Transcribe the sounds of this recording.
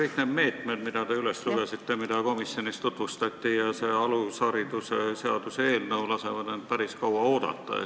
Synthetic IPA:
kɤjkned̪me̞ːt̪med̪mid̪̥ɑd̪e̞yle̞sluɡ̥esit̪ːe̞mid̪ɑko̞misjo̞nist̪ut̪vust̪ɑt̪ʲːijɑse̞ɑlusɑɾid̪usese̞ɑd̪usee̞ːlnəulɑse̞vɑd̪end̪̥̚pæɾiskɑwɑo̞ːd̪̥ɑ̰t̪ːˑɑ̰

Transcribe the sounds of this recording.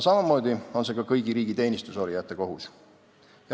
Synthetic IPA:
sɑmɑmo̞ːd̪io̞nse̞kɑkɤjɡ̥iɾiːɡ̥it̪e̞ːnʲist̪uso̞ɾijæt̪ːˑeko̞ɦus | jɑ

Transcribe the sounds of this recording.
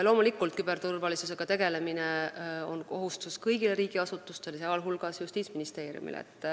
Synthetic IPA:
ɑlo̞ːmulikːˑult̪kyb̥e̞rt̪urvɑlisuse̞ɡ̥ɑt̪e̞ɡ̥e̞le̞mineo̞nko̞ɦust̪uskɤjɡ̥ile̞ɾiːɡ̥iɑsut̪ːˑust̪e̞leseɑlɦulɡ̥ɑsjust̪iːt̪sminist̪e̞ːɾj̰ṵmḭlḛt̪ːˑ

